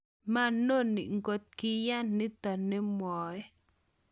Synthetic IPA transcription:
ma˦˨no˦˨nːḭ˨ʔŋɡo˦t̪̚ki˦ja˦˨nːi˦t̪a˨ne˦mwɔ˨j

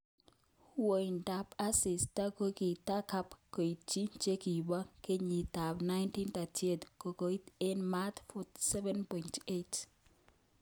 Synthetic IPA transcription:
wo˨jnda˨pa˦sɪ˨sta˦ko˦ki˨ta˦ka˦pko˨jt͡ʃi˦t͡ʃe˦ki˨ba˦ke˦ɲi˨ta˨bna˦jnti˦nta˨tʰie˨tko˨ko˦te˦nmat̪futsɛ˦vɛnpɔ˨jntet

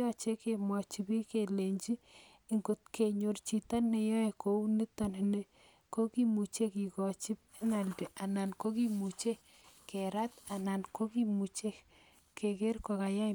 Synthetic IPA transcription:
ɔ˦t͡ʃe˦ke˨mwɔ˨t͡ʃi˨pi˦ke˨le˨ɲt͡ʃi˦ | i˨ŋɡo˨t̚ke˨ɲo˨rt͡ʃi˨ta˦nːe˨jɔ˦e˨ko˨u˦ni˦tɔ˨nɪ˨ne˦ | ko˦ki˦mu˨t͡ʃe˦ki˨kɔ˨t͡ʃi˦p | e˦na˨ldi˨ʔa˨na˨nko˦ki˦mu˨t͡ʃe˦ | ke˨ɾa˦t̪a˨na˨nko˦ki˦mu˨t͡ʃe˦ | ke˨ke˦ɾkɔ˨ka˨ja˦

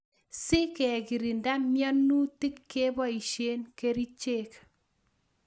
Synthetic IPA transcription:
sɪ˦kɛ˨ki˨ɾi˨nda˦mjɔ˦nu˦ti˦kːe˦bɔ˦i˨ʃe˦nke˦ɾi˦t͡ʃe˦˨k

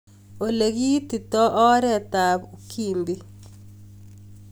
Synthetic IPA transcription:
o˨le˨ɡi˦t̪i˨t̪ɔ˦ʔɔ˦ɾɛ˦t̪a˨bu˨kʰi˨nd̪i˦

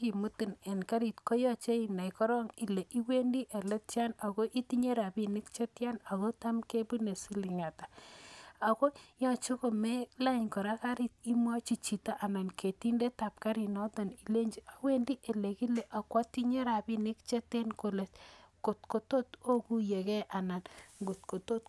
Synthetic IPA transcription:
ki˨mu˦ti˨ne˨nka˦ɾi˨tko˦jɔ˦t͡ʃe˦i˨na˨jkɔ˦ɾɔ˦ŋi˨le˨ʔi˦we˦ndi˦ʔe˨le˦tja˦na˨ko˦ʔi˦ti˦ɲe˦ɾa˨bi˦ni˦kt͡ʃe˦tja˦na˨ko˦ta˦mke˦bu˦ne˨si˦li˨ŋa˨ta˨ | a˨ko˦ɲɔ˨t͡ʃo˦ko˨me˦la˦ɲkɔ˨ɾa˦ka˦ɾi˦ti˦mwa˦t͡ʃi˨t͡ʃi˨ta˦ʔa˨na˨nkʰe˨ti˦nde˦ta˨p̚ka˦ɾi˨nɔ˦ta˨ni˨le˦ɲd͡ʒi˨a˨we˦ndi˦ʔe˨le˨ki˦le˨ʔa˨kwa˦ti˦ɲe˦ɾa˨bi˦ni˦kt͡ʃe˦te˦nko˨le˨tko˨tko˨to˦to˦ku˦je˨kɛ˦ʔa˨na˨nŋɡo˨t̚ko˨to˦t

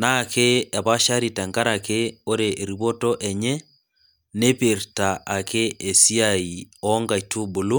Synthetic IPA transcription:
na˦ke˦a˨βa˦ʃa˦ɾita˨ŋɡa˦ɾake˦o˦ɾeʔe˨ɾiβo˦tɔ˦ʔɛ˨ɲɛ˦ | ne˦peɾta˨ʔa˨kʰe˦e˨si˦ai˨ɔŋɡa˨itʰu˦bo˨lu˦

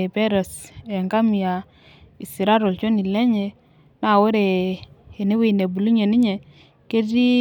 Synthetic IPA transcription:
e˨pɛ˦ɾɔ˨sɛ˨ŋka˦mi˨ja˨ | i˨si˨ɾa˦ɾɔ˨lt͡ʃo˦ni˨lɛ˦ɲɛ˨ | na˦˨wo˦ɾeː˨ | ne˦wi˦˨ne˨bu˨lu˦ɲe˨ni˦ɲe˨ | ke˦ti˦

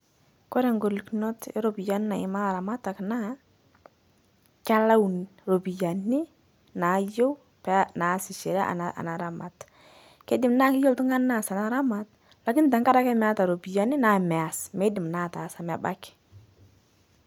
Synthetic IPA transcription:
kɔ˦ɾɛ˨ŋɡo˨li˨knɔ˦tɛ˦ɾo˨bi˨ja˦n˦na˨ɪ˨ma˦˨ɾa˨ma˦ta˨kna˦ | ka˦la˦wnro˨bi˨ja˨nɪ˦ | na˨˦jo˦w | pɛ˨na˨˦sɪ˨ʃɛ˨ɾa˦ʔa̰˨a̰˨na˨ɾa˨ma̰˨t | kɛ˦dɪ˨mnaː˦kɪ˦jo˦wtu˦ŋa˦nːa˦˨sa˨na˦ɾa˦ma˨t | la˨kɪ˦nta˨ŋka˦ɾa˦kɛ˦m˦a˦ta˨ɾo˨bi˨ja˨nɪ˦na˨mɛ˨a˨smɛ˦dɪ˨mna˦˨ta˨sa˨ma˨ba̰˦kɪ̥

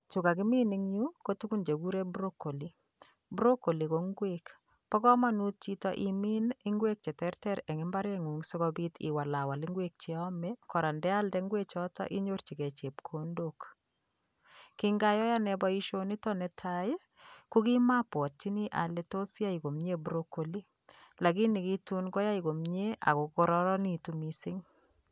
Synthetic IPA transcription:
t͡ʃu˨ka˨ki˦mi˦niŋju˦ko˦tu˦ku˦nd͡ʒe˨ɡu˦ɾe˦bɾoko˨li˦ | bu˦ɾo˦ko˨li˨ko˨ŋɡwek | pɔ˦kɔ˦manut͡ʃi˦tɔʔimi˦ni˦ŋɡwe˦k̚t͡ʃɛ˨tɛ˦ɾtɛɾɛ˨ŋɪ˦mba˦ɾeŋu˨ŋsi˦ɣɔbi˦tʰḭ˨wa˨la˨wa˨liŋɡwek̚t͡ʃɛɔmɛkɔɾa˨ndɛ˦a˦ldɛŋɡwet͡ʃɔtɔ̰˦ʔi˦ɲort͡ʃi˨kɛ˨t͡ʃe˨pkʰondok | ki˦ŋɡa˦jɔ˦ja˦nɛbɔ˦iʃoni˦tɔ˦nɛtʰaj | ku˦ki˦ma˦pwɔ˨t͡ʃi˦ni˦ʔa̰˨leto˦sja˦iko˨mɲe˦buɾoko˨li˦ | la˨ki˦ni˨ki˦tu˦nɡɔ˦ja˦iko˨mɲe˦a̰˨ku˨ko˦ɾɔɾɔ˦ni˦tumisɪ˦ŋ

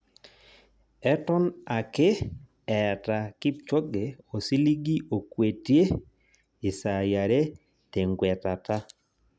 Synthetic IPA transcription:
ɛ˦tɔ˦na˨ke˦ | ɛ˨ta˨ki˦p̚t͡ʃɔ˦ɡe˨o˨si˦li˦ɡi˦ʔo˨kwe˨tje˦ | ɪ˨sa˨ja˨ɾe˦ | te˨ŋɡwɛ˨ta˨ta˦

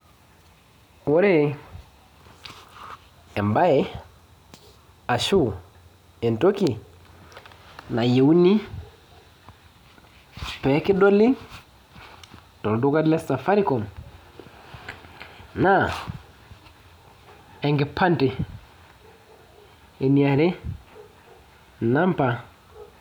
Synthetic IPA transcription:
wɔ˦ɾe˦ | ɛ˨mba˦ɛ˨ | a˨ʃu˦ | ɛ˨nto˦ki˨ | na˨je˨u˦ni˦ | pɛ˨˦ki˦dɔ˦li˦ | tɔ˨du˦ka˦dlɛ˦sa˨fa˦ɾi˦kɔ˨m | na˦˨ | ɛ˨ŋɡɛ˨pʰa˦ntɪ˨ | e˨ni˨a˨ɾɛ˦ | na˦mpa˨

